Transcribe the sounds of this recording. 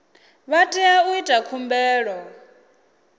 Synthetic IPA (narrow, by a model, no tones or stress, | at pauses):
βatʼiauitʼakʰumbɛːɺɔ